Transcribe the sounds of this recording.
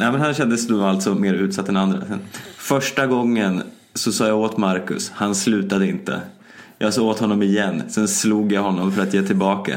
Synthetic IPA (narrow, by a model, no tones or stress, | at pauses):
nɛɪmɛnhanɕɛnd̪əsd̪ɔvalt̪sɔmeːɾʉ̟ːt̪sat̪ːɛnand̪ɾa̰sɛnfœʂʈaɡɔŋːən | sɔsɑːjaoːt̪maɾkɵ̰shanslʉ̟ːt̪ad̪əɪnt̪ə̰ | jʔɑ̰ːsɑːoːt̪hɔnːɔmɪjɛnːsɛnsluːɡjahɔnːɔmfœɾat̪jeːt̪ʰɪlbɑːka̰